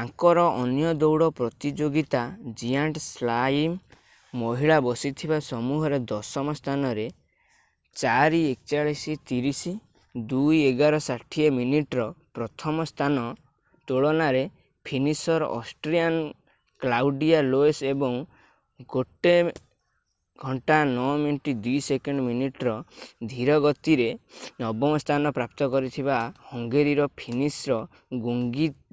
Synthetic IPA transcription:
ãkɔɾɔʔɔnjɔd̪ɔwɽɔpɾɔt̪id͡ʒoɡit̪ad͡ʒiaɳʈslaimː | ɔɦiɭabɔsit̪ʰibasɔmuɦɔɾed̪ɔsɔmɔst̪ʰanɔɾe | t͡ʃaɾiekt͡ʃaɭisit̪iɾisi | d̪ujeɡaɾɔsaʈʰieminiʈɔɾɔpɾɔt̪ʰɔmɔst̪ʰanɔ | t̪oɭɔnaɾe | pʰinisɔɾɔʔɔsʈɾian | klawɖialoesebɔŋ | ɡoʈe | ɡʱɔɳʈanɔminiʈid̪ujsekeɳɖɔminiʈɾɔd̪ʱiɾɔɡɔt̪iɾenɔbɔmɔst̪ʰanɔpɾap̚t̪ɔkɔɾit̪ʰiβahɔŋɡeɾiɾɔpʰinisɾɔ | ɡuŋɡi

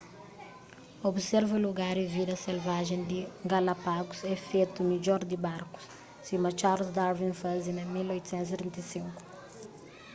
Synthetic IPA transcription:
obsɛɾvuluɡaɾivid̪ɐselvaʒẽnd̪iɡalɐpaɡusɛfet̪umid͡ʒɔɾd̪ibaɾku̥s | simɐt͡ʃaɾlsd̪aɾvĩnfazinɐmilojt̪u̥sɛ̃nt̪uzivẽnt̪ɐsĩŋku̥

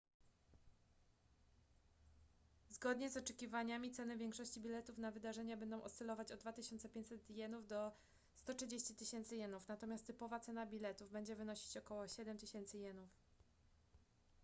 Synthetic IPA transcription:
zɡɔd̪ɲɛzɔt͡ʂɛkʲivaɲamʲit̪sɛnɘvʲjɛŋkʂɔɕt͡ɕibʲilɛt̪ufnavɘd̪aʐɛɲabɛnd̪ɔ̃w̃ʔɔ̰sɛlɔvat͡ɕɔd̪̚ːvat̪ɘɕɔnt̪sɛpʲẽɲt͡ɕʲsɛt̪jɛnuvd̪ɔ | st̪ɔtʂɘd͡ʑeɕt͡ɕit̪ɘɕɛnt̪sɘjɛnufnat̪ɔmʲast̪ːɘpɔvat̪sɛnabʲilɛt̪uvbɛɲd͡ʑɛvɘnɔɕi̥t͡ɕɔkɔwɔɕɛd̪ɛmt̪ɘɕɛnt̪sɘjɛnuf

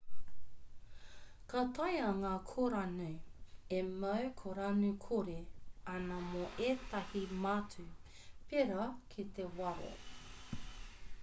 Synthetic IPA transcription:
kat̪ajaŋaːkʰoɾanʉemɐwkʰoɾanʉkʰoɾeɐnɐmoʔeːt̪ɐhimatʰʉ | peɾɐkʰit̪ewɐɾo̰

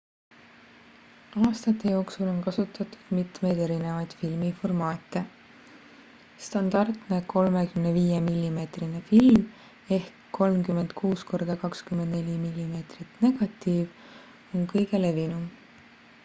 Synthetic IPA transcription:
ɑːst̪ɑt̪ːˑe̞jo̞ːksulo̞nkɑsut̪ːˑɑt̪u̥d̪̥mit̪me̞jd̪e̞ɾine̞vɑjd̪̥filmifo̞rmɑːt̪ːˑe̞ | st̪ɑnd̪̥ɑrt̪ne̞ko̞lme̞kymneviːjemilʲːime̞ːt̪rinefilm | e̞hkːo̞lmkymːe̞nd̪̥kʰuːsko̞rd̪̥ɑkɑkskymend̪ne̞lʲimilʲːime̞ːt̪rit̪ne̞ɡ̥ɑt̪ːˑiːv | o̞nkɤjɡ̥e̞le̞vinum

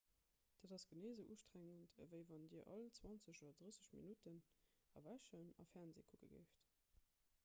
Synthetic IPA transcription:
d̥ədɑsɡ̥əneɪzəʔuʃtʁæŋəntʰəvəɪvɑndiːɐʔɑlt͡swɑnt͡səɕoːdɐdʁəsəɕmḭnutən | ɑ̰væʃənɑ̰fɛʁnzḛːkʰukə̰ɡə̰ɪft

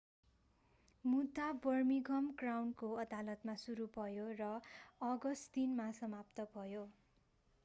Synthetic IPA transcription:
mud̪ʱabʌrmiɡʱʌmɡrawnkoʌd̪alʌt̪masuɾubʱʌjorʌʌɡʌst̪inmasʌmap̚t̪ʌbʱʌjo

